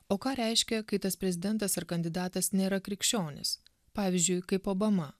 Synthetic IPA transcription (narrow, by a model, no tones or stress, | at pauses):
oːkɑːɾʲɛɪʃʲkʲɛkɐɪt̪ɐspʲɾʲɛzʲɪd̪ʲɛnt̪ɐsɐɾkɐnʲd̪ʲɪd̪ɑːt̪ɐsnʲeːɾɐkɾʲɪkʃʲt͡ʃʲoːnʲɪ̰s | pɑːʋʲɪzʲd͡ʒʲʊɪkɐɪpoːbɐmɐ